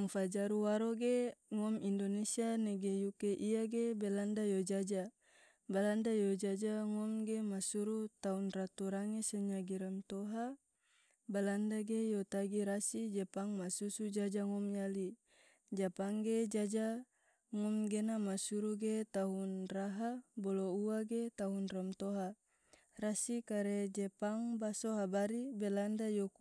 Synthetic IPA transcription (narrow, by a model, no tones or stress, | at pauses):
aŋfad͡ʒaɾuwaɾoɡeŋɔmindonesianɛɡejukeʔiaɡebɛlandajod͡ʒad͡ʒa | balandajod͡ʒad͡ʒaŋɔmɡemasuɾut̪aunrat̪uɾaŋesɛɲaɡiɾant̪ɔɦa | balandaɡejot̪aɡiɾasid͡ʒɛpaŋmasusud͡ʒad͡ʒaŋɔmjali | d͡ʒapaŋɡed͡ʒad͡ʒa | ŋɔmɡenamasuɾuɡet̪aɦunraɦabɔlouaɡet̪aɦunramt̪oɦa | rasikaɾɛd͡ʒɛpaŋbasoɦabaɾibelandajo